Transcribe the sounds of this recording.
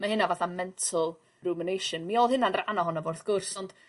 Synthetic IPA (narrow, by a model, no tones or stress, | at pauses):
mahɨnavaθamɛntʰəlˠ | rumɪnejʃənmioːlˠhɪnanranɔɦɔnavʊrθɡ̥ʊrsɔnd̥